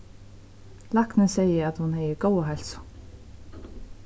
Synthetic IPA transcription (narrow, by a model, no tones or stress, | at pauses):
laknɪnsɛjɪat̪hunhɛjɪɾɡoːwaɦɛl̥sʊ̥